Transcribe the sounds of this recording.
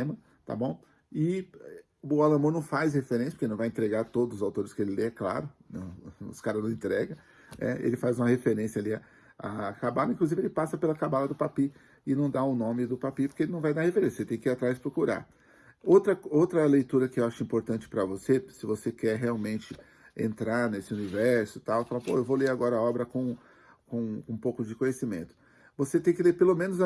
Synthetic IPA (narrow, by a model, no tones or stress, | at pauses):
mɐ | t̪a̰bõw̃ | ɪ | ʊalɐ̃moɾnɐ̃w̃fajshefeɾẽsjɐpokenɐ̃w̃vajẽt̪ɾeɡaɾt̪od̪ʊzʊzawt̪oɾɪskɪelɪlekla̰ɾʊnɐ̰̃ʊ̰skaɾɐnɐ̃w̃ẽnt̪ɾɛɡɐ | nɛ̰ḛlɪfajzũmɐhefeɾẽsjɐaliɐ | a̰kabalɐĩkluzivɪelɪpasɐpelɐkabalɐd̪ʊpapi | ɪnɐ̃w̃d̪aʊnõmɪd̪ʊpapipoɾkeelɪnɐ̃w̃vajd̪aɾhefeɾẽsjɐset̪ẽj̃kiɾat̪ɾajspɾokuɾa̰ɾ | owt̪ɾɐowt̪ɾɐlejt̪uɾɐkɪewaʃʊĩpoɾt̪ɐ̃nt͡ʃɪ̥pɾɐvosesɪvosekɛɾɦeawmẽnt͡ʃɪ | ḛ̃nt̪ɾaɾnesɪunivɛɾsʊ̥t̪awfalɐpo̰ewvoleɾaɡɔɾɐaɔbɾɐkõ | kõkõũpowkʊd͡ʒɪkõjesimḛ̃nt̪ʊ̥ | voset̪ẽj̃kɪleɾpelomẽnʊz